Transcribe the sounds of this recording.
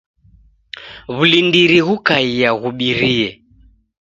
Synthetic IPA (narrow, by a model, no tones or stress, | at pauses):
βulindiɾiɣukaijaɣuɓiɾiɛ